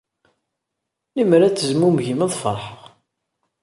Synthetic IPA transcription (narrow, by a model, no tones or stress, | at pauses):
limɾæt͡sːəzmumʝiməðˤfə̰ɾˤħʁ